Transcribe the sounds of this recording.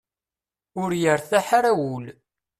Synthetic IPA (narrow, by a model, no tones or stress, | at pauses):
ʊɾjəɾθæħaɾæwʊl